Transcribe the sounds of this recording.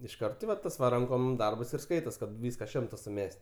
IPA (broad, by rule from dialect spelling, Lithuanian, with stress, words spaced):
ɪʃˈkɐrt tʲɪ ʋɐ ˈtɐs ʋɐ ˈrɐŋkoːm ˈdɐrbɐs ɪr ˈskɐɪtoːs ˈkɐt ˈʋʲiːskɐ ˈʃʲɪmtɐ sʊˈmʲɛsʲtʲ